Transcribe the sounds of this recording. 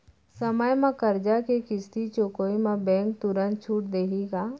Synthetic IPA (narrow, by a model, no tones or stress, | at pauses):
səməjmãkəɾd͡ʒakekɪst̪it͡ʃoːkoːimãbɛ̃ːŋk̚t̪ʊɾə̃nt̪̚t͡ʃʰuːʈ̚d̪eːkiɡaː